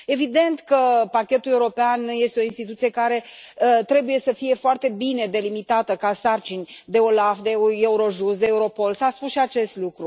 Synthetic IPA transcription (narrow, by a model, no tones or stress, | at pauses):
e̞vid̪e̞nt̪kəpakʲe̞t̪ule̞uɾo̞peanje̞st̪eo̞inst̪it̪ut̪sije̞kaɾe̞ | t̪ɾe̞buje̞səfije̞foart̪e̞bine̞d̪e̞limit̪at̪əkasart͡ʃinʲd̪e̞o̞lafd̪e̞e̞uɾo̞ʒust̪d̪eːuɾo̞po̞lsaspusʃiat͡ʃe̞st̪lukɾu